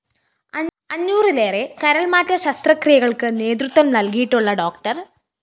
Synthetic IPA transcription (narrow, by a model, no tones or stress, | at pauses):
ɐɲːuːrileːrekɐɾɐɭmaːtːɐɕɐst̪rɐkrijɐɣɐɭkɨne̞ːd̪rut̪ːʋɐmnɐlkijiʈːuɭːɐɖo̞ːkʈɐr